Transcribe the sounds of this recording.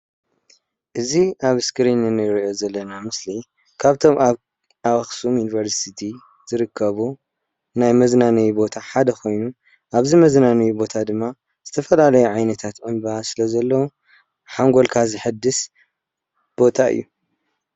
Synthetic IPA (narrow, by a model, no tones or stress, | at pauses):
ʔɨziʔaβɨskʰɨɾinɨnɨjɾijo̞zɐlːɐnamɨsli | kʰaβt̪ʰo̞maβ | aβaxsumjunivɐɾsit̪ʰi | z̥ɨɾɨkʰːɐβu | najmɐznanɐjubo̞t̪ʰaħad̪ɐxʰo̞jnu | ʔaβzimɐznanɐjubo̞t̪ʰad̪ɨmːa | z̥ɨt̪ʰɐfɐlalɐjuʕajnɐt̪ʰat̪ʕɨnbɨasɨlɐzɐlːɐwu | ħaŋɡo̞lkʰazɨħɨd̪ːɨs | b̥o̞t̪ʰaɨ̰jːu